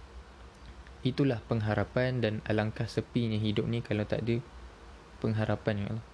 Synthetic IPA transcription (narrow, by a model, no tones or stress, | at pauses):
it̪ulahpəŋɦaɾapandana̰laŋkahsəpiɲãɦidʊp̚nĩkalawt̪a̰ʔdə | pəŋɦaɾapanaŋ̰lɔh